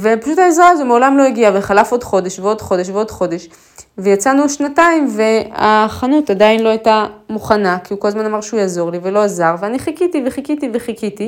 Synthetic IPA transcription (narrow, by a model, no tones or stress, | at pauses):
ve̞paʃuthaezʁaazomeo̞lamlo̞eɡiaveχalafo̞d̪χo̞deʃveo̞dχo̞deʃveo̞dχo̞de̞ʃ | vejat͡sanuʃnataimve̞aχanutadainlo̞ajtamuχanakiuko̞lazmanamaʁʃeujaːzo̞ʁlive̞lo̞azaʁveaniχikit̪ive̞χikitiveχikit̪i